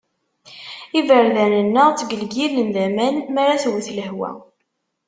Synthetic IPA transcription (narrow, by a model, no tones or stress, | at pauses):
ivəɾðænənːəʁt͡sːɡəlɡilənðæmænmaɾaθwəθləhwæ̰